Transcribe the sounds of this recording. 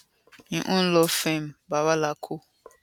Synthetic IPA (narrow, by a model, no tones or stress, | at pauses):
ɲiʔun̩lɔfembaβalakʰu